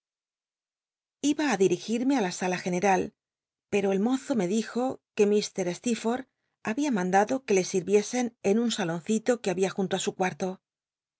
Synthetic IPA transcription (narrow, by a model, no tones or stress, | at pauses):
iβaːðiɾixiɾme̞alasalaxe̞ne̞ɾal | pe̞ɾo̞e̞lmo̞θo̞me̞ðixo̞ke̞mist̪e̞ɾe̞st̪ifo̞ɾ | aβiamãnd̪aðo̞ke̞le̞siɾβje̞se̞ne̞nunsalo̞n̟θit̪o̞keaβiaxunt̪oasukwaɾt̪o̞